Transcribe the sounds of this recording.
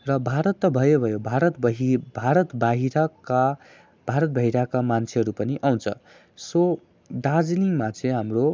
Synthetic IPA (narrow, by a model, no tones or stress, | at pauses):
rʌbʱaɾʌt̪ːʌbʱʌjobʱʌjobʱaɾʌt̪bʌɦbʱaɾʌt̪baɦiɾaka | b̥ʱaɾʌt̪̚bʱʌɦiɾakamant͡sʰeɦʌɾupʌniʔaw̃t͡sʰʌ | so | ɖad͡zliŋmat͡sʰẽɦamro